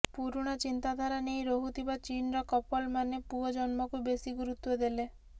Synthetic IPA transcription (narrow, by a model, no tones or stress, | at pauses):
puɾuɽ̃ɔt͡ʃint̪ad̪ʱaɾanejɾoɦut̪ʰibat͡ʃinɔɾɔkɔpɔlmanepuɔd͡ʒɔnmɔkubesiɡuɾut̪wɔd̪ele